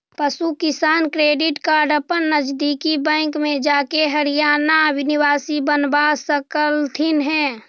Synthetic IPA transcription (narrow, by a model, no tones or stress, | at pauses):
pəsukɪsaːnkɾeːɖɪʈkaːɾɖəpənːəd͡ʒd̪ikibɛ̃ːŋkmẽd͡ʒaːkeɦəɾijaːnabʱɪnɪwaːsibənbasəkəlt̪ʰɪnɦɛ̃ː